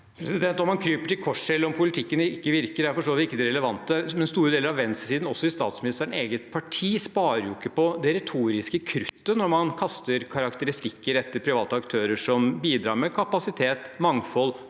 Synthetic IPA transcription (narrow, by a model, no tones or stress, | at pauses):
pʰɾɛsɪd̪ɛnt̪ɔmhɑnkʰɾyːpəʈɪlkʰɔʂɛlːəɾɔmpʰʊlɪt̪ʰɪkːənɪkːəʋɪɾkəɾæɾfɔʂʈoːʋɪt̪ɪkːəd̪ɛɾɛləʋɑnt̪əmɛnst̪uːɾəd̪eːləɾɑʋɛnssiːd̪n̩ɔsːɔɪst̪ɑ̰ːt̪smɪnɪst̪ːeːɡət̪pʰɑʈʰiːspɑːɾɾəɾjʊɪkːəpɔd̪ɛɾɛt̪ʰuːɾɪskəkʰɾʏt̪ːənɔɾmɑnkʰɑst̪əɾkʰɑɾɑkt̪əɾɪst̪ɪkːəɾɛt̪ːəɾpʰɾɪʋɑːt̪əɑkt̪ʰøːɾəʂɔmbiːd̪ɾɑ̰ːɾmɛkʰɑpɑsɪt̪ʰeːt̪mɑŋfɔl